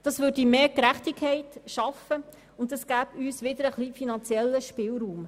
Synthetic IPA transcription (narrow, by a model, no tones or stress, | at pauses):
d̥ɑsʋʏɾdimeːkɾæχtikʰːɛɪtʃɑfə | ʊndɛsɡ̥æːbyːsʋɪd̪əɾəχlifinɑnt͡sjɛlːəʃpɪlɾuːm